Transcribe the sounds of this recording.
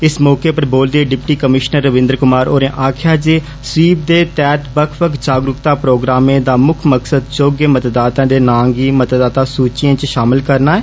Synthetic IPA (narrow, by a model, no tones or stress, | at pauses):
ɪsmɔːkeːpəɾboːld̪eːɖɪpʈiːkəmɪʃnəɾːəʋɪ̃nd̪əɾkʊmaːɾoːɾẽːʔaːkʰjaːd͡ʒeː | siːb̚d̪eːt̪ɛːt̪bəkʰbəkd͡ʒaːɡɾʊkt̪aːpɾoːɡɾaːmẽːd̪aːmʊkʰməksəd̪t͡ʃoːɡeːmət̪d̪aːt̪ãːd̪eːnãːŋɡiːmət̪d̪aːt̪aːsuːt͡ʃɪãːt͡ʃʃaːmɪlkəɾnaːɛː